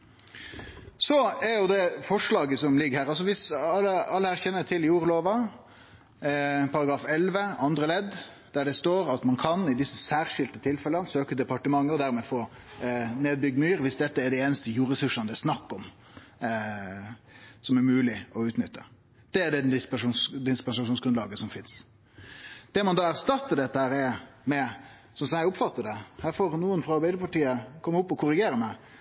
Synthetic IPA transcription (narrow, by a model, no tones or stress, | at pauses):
sɔɛɾjʊd̪ɛfɔʂɭɑːɡəsɔmlɪɡːhæːɾɑls̬ɔʋɪsɑləɑlːəhæːɾçɛnːət̪ʰɪljuːɾloːʋɑ | pʰɑɾɑɡɾɑːfɛlʋəɑnd̪ɾəlɛd̪ | d̪̥æɖɛst̪oːɾɑt̪mɑnkʰɑnɪd̪ɪsːəsæːɾʂɪlt̪ət̪ʰɪlfɛlənsøːkəd̪ɛpɑʈəmɑŋːəɔd̪æɾmɛfoː | neːd̪̚bʏɡ̚d̪myːɾʋɪsd̪ɛt̪ːəɛɖɛeːnəst̪əjuːɾɛsʉʂɑnd̪əɛɾsnɑkːɔm | sɔmæɾmʉːlɪɔʉːt̪nʏt̪ːə | d̪̥ɛːɖɛd̪ɪspʂːsd̪ɪspɛnsɑʃuːnsɡɾʉnɑːɡəsɔmfɪns | d̪̥ɛmɑnd̪ɑæɾst̪ɑt̪ːəɖɛt̪ːəhæːɾɛmɛ | sɔmsɔæɪʊpfɑt̪ːəɖɛhæːɾfɔɾnuːənfɾɑɑɾbæɪəpʰɑʈiːəkʰɔmːʊpːɔkʰʊɾɪɡeːɾəmæɪ